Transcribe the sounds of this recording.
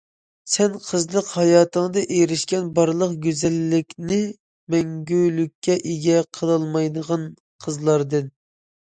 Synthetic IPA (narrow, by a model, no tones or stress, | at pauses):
sɛnqʰəzlˠəqhɑjɑːt̪ʰəŋd̪ɨʔeɾɪʃkʲɛnbɑɾlˠəqɡʲøzɛlːɪkʲnɪ | mɛŋɡʲylykʲːɛʔeɡʲɛqʰəlˠɑlˠmɑjd̪əʁɑn | qʰəzlˠɑɾd̪ɨn